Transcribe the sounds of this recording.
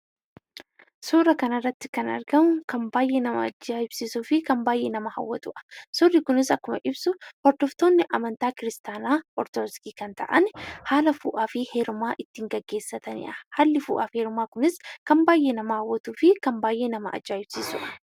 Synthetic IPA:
suːɾɐkɐnɐrːɐt̪ːɪ̥kɐnɐ̰ɾɡɐmʊkɐmbaːjʔːeːnɐmɐ̰ɐ̰d͡ʒːaːhɪbsiːsuːfɪkɐmbaːjʔeːnɐmɐhɐ̰wːɐ̰t̪ʊ̰ʔɐ̥sʊrːikʊnɪsɐkːʊmɐʔɪbsʊhɔɾd̪ɔft̪o̞ːnːɪʔɐmɐnt̪aːkɪɾɪst̪aːnaːʔɔɾt̪ɔdɔskiːkɐnt̪ɐ̰ʔɐnhaːlɐfṵːʔaːfɪheːɾʊmaːʔɪt̪ːɪŋɡɐɡːe̞ːsːɐt̪ɐnɪ̰ʔɐhaːlːɪfṵːʔa̰ːfheːɾʊmaːkʊnɪskɐmbaːjʔenɐmɐhɐwːɐt̪uːfɪkɐmbaːjʔeːnɐmɐ̰ʔɐ̰d͡ʒːaːhɪb̥siːsʊ̰ʔɐ̥

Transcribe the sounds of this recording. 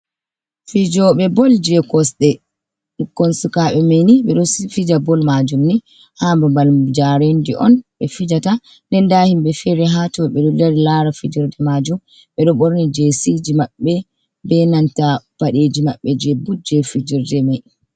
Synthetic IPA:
fid͡ʒɔɓɛbɔld͡ʒɛkɔsɗɛ | ɗukːɔnsukaɓɛmeniɓɛɗɔfid͡ʒabɔlmad͡ʒumni | hambumbald͡ʒaɾendiʔɔ̰nɓɛfid͡ʒata | ndɛndaːhimɓɛfɛɾɛɦatɔɓɛɗɔdaɾilaɾafid͡ʒiɾdɛmad͡ʒum | ɓɛɗɔɓoɾnid͡ʒesid͡ʒimaɓːɛ | bɛnantapaɗed͡ʒimaɓːɛd͡ʒɛbud͡ʒɛfid͡ʒiɾdɛmɛj

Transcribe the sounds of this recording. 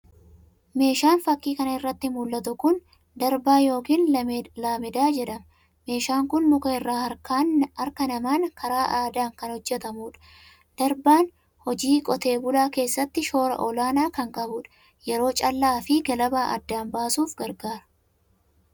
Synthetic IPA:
me̞ːʃaːnfɐkːiːkɐnɐɪrːɐt̪ːɪmʊlːɐt̪ʊkʊn | d̪ɐɾbaːjo̞ːkiːnlaːmɪd̪aːd͡ʒɛᶑɐmɐ | me̞ːʃaːŋkʊnmʊkɐɪrːaːhɐɾkaːnɐɾkɐnɐmaːnkʰɐɾaːʔaːd̪aːŋkɐnhɔd͡ʒːɛt̪ɐmuːᶑɐ̥ | d̪̥ɐɾbaːn | hɔd͡ʒiːkʼɔt̪e̞ːbʊlaːke̞ːsːɐt̪ːɪʃo̞ːɾɐ̰ʔɔlaːnaːkɐŋkʼɐbʊːᶑɐ̥ | jɛɾo̞ːt͡ʃʼɐlːaːfɪɡɐlɐbaːʔɐ̰d̪ːaːnbaːsuːfɡɐɾɡaːɾɐ̥

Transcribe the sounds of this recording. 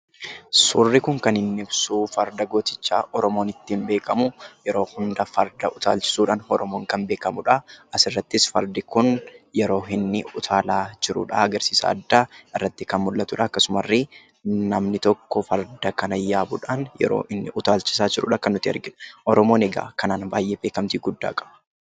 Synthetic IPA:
sʊrːɪkʊŋkɐnhɪnːɪbsuːfɐɾd̪ɐɡo̞ːt̪ɪt͡ʃːa̰ːʔɔɾɔmo̞ːnɪt̪ːiːmbe̞ːkɐmʊjɛɾo̞ːhʊnd̪ɐfɐɾd̪ɐʔʊt̪a̰ːlt͡ʃɪ̥suːᶑaːnhɔɾɔmoːŋkɐnbe̞ːkɐmʊᶑɐɐsɪrːɐt̪ːɪsfɐɾd̪ɪkʊnjɛɾo̞ːɦɪnːɪʊt̪ʰaːlaːd͡ʒɪɾṵːᶑɐ̰ɐɡɐɾsiːsa̰ːd̪ːaːɪrːɐt̪ːɪkɐnmʊlːɐt̪ʊᶑɐːkːɐsʊmɐrːi | nɐmnɪt̪ɔkːɔfɐɾd̪ɐkɐnɐjːaːbʊᶑaːnjɛ̰ɾo̰ːʔɪnːɪʔʊt̪aːlt͡ʃɪ̥saːd͡ʒɪɾṵːᶑɐkɐnːʊt̪ːɪɐ̰ɾɡɪᶑʊ̥ʔɔɾɔmo̞ːnɛɡa̰ːkɐnaːnbaːjʔeːbe̞ːkɐmt̪iːɡʊd̪ːa̰ːkʼɐ̥b̥ɐ̥

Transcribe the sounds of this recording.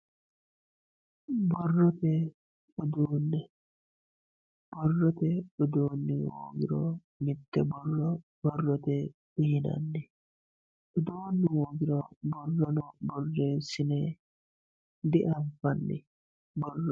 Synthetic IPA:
bɔrːɔt̪ɛ | ʊd̪uːnːɛ | b̥ɔrːɔt̪ɛʊd̪oːnːɪ̰wo̰ːɡɪɾɔ̰ | mɪt̪ːɛbɔrːɔb̥ɔrːɔt̪ɛ | b̥ɪhɪnɐ̰nːɛ | ʔʊd̪oːnːɪwoːɡɪɾɔbɔrːɔnɔbɔrːeːsːɪneː | d̪ɪʔɐfɐnːɪ̰ | bɔrːɔ

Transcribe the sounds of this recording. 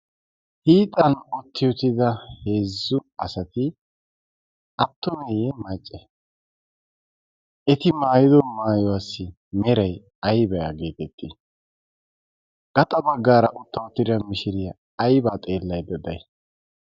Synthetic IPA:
hiːt̪ʼːɐnɔt̪ʰːɪjɔt̪ɪd̪ɐhe̞ːzːʊɐsɐt̪ɪ | ɐt̪ːɔmɛjɛmɐt͡ʃʼːɛ | ɛt̪ɪmaːjɪd̪ɔmaːjɔwasːɪ | mɛɾɐj | ɐjbɐja̰ɡe̞ːt̪ɛt̪ːɪ | ɡ̥ɐt̪ʼɐbɐɡːaːɾɐʔʊt̪ːɐʊt̪ːɪɾɪɐmɪʃɪɾɪjɐː | jbaːt̪ʼe̞ːlːɐjd̪ɐd̪ɐ̰j

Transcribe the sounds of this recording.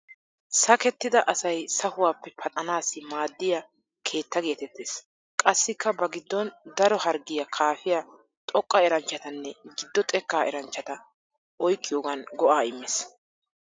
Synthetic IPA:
sɐkɛt̪ːɪd̪ɐʔɐsɐjsɐhʊwaːpːɛpʰɐt̪ʼɐnaːsɪmaːd̪ːɪja | kʰe̞ːt̪ːɐɡe̞ːt̪ɛt̪ːeːs | kʼɐsːɪkːɐbɐɡɪd̪ːɔnd̪ɐɾɔhɐɾɡɪjɐkʰaːfɪja | t̪ʼɔkʼːɐɛɾɐnt͡ʃːɐt̪ɐnːɛɡɪd̪ːɔt̪ʼɛkːaːʔɛɾɐnt͡ʃːɐt̪ɐ | ʔɔjkʼːɪjoːɡɐnɡɔʔaːɪmːeːs

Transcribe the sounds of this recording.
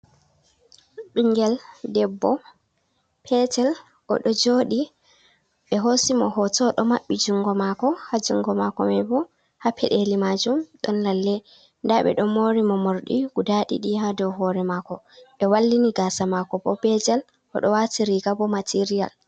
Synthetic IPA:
ɓiŋɡɛldɛbːɔ | pʰɛtɛl | ʔɔ̰ɗɔd͡ʒoːɗi | ɓɛɦosimɔɦɔtɔɗɔmaɓːid͡ʒuŋɡɔmakɔhad͡ʒuŋɡɔmakɔmɛbɔ | hapʰɛɗelimad͡ʒumɗɔnlalːɛ | ndaɓɛ̰ɗɔmoɾimɔmoɾɗḭɡ̥udaɗḭɗihadɔwɦɔɾɛmakɔ | ɓɛwalːiniɡasamakɔbɔbɛd͡ʒɛl | ʔɔ̰ɗɔwatiɾiɡabɔmatʰiɾija̰l

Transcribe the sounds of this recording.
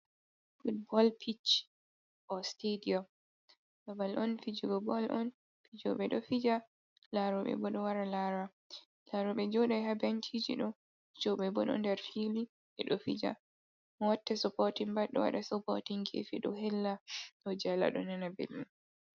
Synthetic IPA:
fud̚bɔlpʰit͡ʃ | ʔɔstediɔm | ɗabalʔɔnfid͡ʒuɡɔbɔlʔɔn | fid͡ʒɔ̰ɓɛɗɔfid͡ʒa | laɾɔɓɛ̰bɔɗɔwaɾalaɾa | laɾɔɓɛd͡ʒɔɗajhabantʰid͡ʒḭɗɔ | d͡ʒɔɓɛbɔɗɔ̰ndɛɾfili | ʔɛ̰ɗɔfḭd͡ʒa̰ | mɔwatːɛsɔpɔtimbaɗɔwa̰ɗasɔpɔtiŋɡḛfiɗɔhɛlːaɗɔd͡ʒɛla̰ɗɔ̰nanabḛlin

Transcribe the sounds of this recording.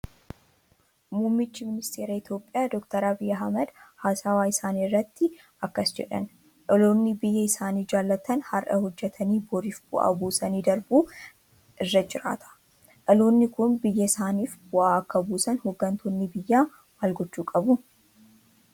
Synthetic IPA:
muːmːɪt͡ʃːɪmɪnɪst̪ʰe̞ːɾɐɪt̪jo̞ːpʼɪjaːd̪ɔkt̪ɐɾabɪjɐɦɐmɐd̪haːsaːwaːɪsaːniːrːɐt̪ːɪ | ɐkːɐsd͡ʒɛ̰ᶑɐ̰n | ᶑɐloːnːɪbɪjːɐɪsaːniːd͡ʒaːlːɐt̪ɐnhɐrʔɐhɔd͡ʒːɛt̪ʰɐniːbɔɾiːfb̥ʊʔa̰ːbuːsɐniːd̪ɐɾbuː | ʔɪrːɐd͡ʒɪɾa̰ːt̪ʰɐ̥ | ᶑɐlo̞ːnːɪkʊnbɪjːɐɪsaːniːfbʊʔaːɐkːɐbuːsɐnhɔɡːɐnt̪ʰoːnːɪbɪjːaː | maːlɡɔt͡ʃːuːkʼɐbʊ

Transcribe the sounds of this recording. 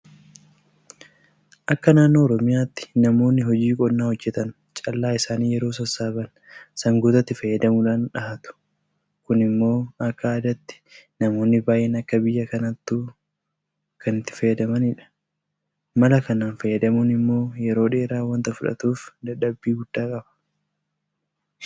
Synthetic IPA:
ʔɐkːɐnaːnːo̞ːɾɔmɪjaːt̪ːɪ̥nɐmo̞ːnːɪɦɔd͡ʒiːkʼɔnːaːhɔd͡ʒːɛt̪ɐn | t͡ʃʼɐlːaːɪsaːniːjɛɾo̞ːs̬ɐsaːbɐn | sɐŋɡut̪ɐt̪ːɪfɐjːɐd̪ɐmʊᶑaːnᶑɐhɐt̪ʊ̥ | kʊnɪmːo̞ːɐkːɐaːd̪ɐt̪ːɪ̥nɐmo̞ːnːɪbaːjʔɛnɐkːɐbɪjːɐkɐnɐt̪ːuː | kʰɐnɪt̪ːɪ̥fɐjːɐd̪ɐmɐnɪᶑɐ̥ | mɐlɐkɐnaːnfɐjːɐd̪ɐmunɪmːo̞ːjɛɾo̞ːᶑe̞ːɾaːwɐnt̪ɐfʊᶑɐ̰t̪uːfd̪ɐᶑɐbːiːɡʊd̪̥ːaːkʼɐbɐ̥

